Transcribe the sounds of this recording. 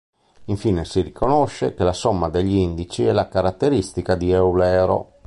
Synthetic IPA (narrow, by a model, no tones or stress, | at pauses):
iɱfiːnesirikonɔʃːekelasɔmːad̪eʎːind̪it͡ʃiɛlakaɾat̪ːeɾist̪ikad̪iɛwlɛːɾo̰